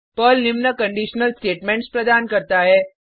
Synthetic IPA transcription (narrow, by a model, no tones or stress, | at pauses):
pəlnɪmnəkə̃ɳɖiːʃnəlsʈeːʈmẽːɳʈspɾəd̪aːnkəɾt̪aɦɛ